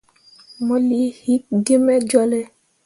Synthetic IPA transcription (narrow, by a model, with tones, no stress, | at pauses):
mɔ˨li˨˦hi˦k̚ɡe˦mɛ˦d͡ʒɔ˦lɛ˦